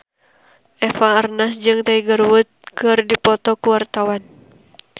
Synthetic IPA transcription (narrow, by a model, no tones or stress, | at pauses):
ʔɛfaərnasd͡ʒɨŋt̪aiɡərwut̪̚kɨrdipɔt̪ɔkuwart̪awan